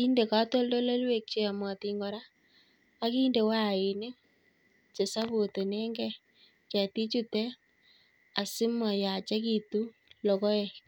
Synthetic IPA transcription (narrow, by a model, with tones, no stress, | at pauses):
i˦nde˨ka˦to˦ldo˦lo˦lwe˨k̚t͡ʃe˨a˨mɔ˨ti˧ŋɡɔ˨ɾaː˦ | ki˦nde˨wa˦˨i˨nɪ˦ | t͡ʃe˨sa˦βu˨te˨ne˦ŋɡɛ˦ | t͡ʃa˨ti˦t͡ʃu˦tɛ˦ | a˨sɪ˦ma˨ja˨t͡ʃa˦ki˨tu˦ | lɔ˨kɔ˦ɛ˨